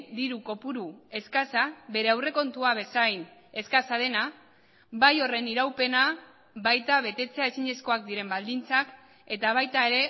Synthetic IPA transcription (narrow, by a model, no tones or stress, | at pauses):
d̪iɾuko̞puɾue̞skasaβe̞ɾe̞awre̞ko̞nt̪uaβ̞e̞sajne̞skasað̞e̞na | βajo̞re̞niɾawpe̞na | βajt̪aβe̞t̪e̞t͡se̞ae̞siɲe̞sko̞ak̚d̪iɾe̞mbald̪int͡sak | e̞t̪aβ̞ajt̪ae̞ɾe̞